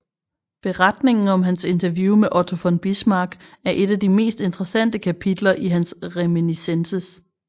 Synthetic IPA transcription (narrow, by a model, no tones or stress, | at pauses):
b̥e̝ʁɑd̥ne̝ŋn̩ɒ̽mɦænse̝nt͡sʰɐʋjumeʔɒt͡sʰo̝fɒ̽nb̥ismɑ̈ːɡ̥æɐʔe̝d̥æd̥ime̝̰ːsd̥e̝nd̥ʁəsæn̰d̥əkʰæpʰid̥lɐʔiɦænsʁeminisensəs